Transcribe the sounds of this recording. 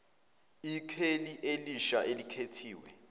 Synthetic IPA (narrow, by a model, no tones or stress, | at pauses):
ikʰeliʔeliʃaʔelikʰetʰiːwɛ̰